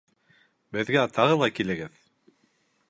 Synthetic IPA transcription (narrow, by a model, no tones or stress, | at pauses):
bɘ̆ðɡæt̪ʰɑʁɤlˠɑkilɘ̆ɡɘð